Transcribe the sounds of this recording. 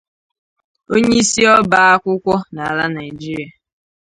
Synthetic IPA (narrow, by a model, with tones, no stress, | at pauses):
o˦ɲe˦i˦si˦ɔ˦ba˦a˦kʷʊ˦kʷɔ˦na˨la˦na˨ɪ˨d͡ʒi˦ɾi˨a˨